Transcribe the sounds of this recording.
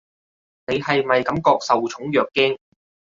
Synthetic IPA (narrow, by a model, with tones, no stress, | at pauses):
ne˨˧jhɐ˨jmɐ˨jkɐ˨˥mkɔː˧k̚sɐ˨wt͡ʃʰʊ˨˥ŋjœː˨kːɛː˥ŋ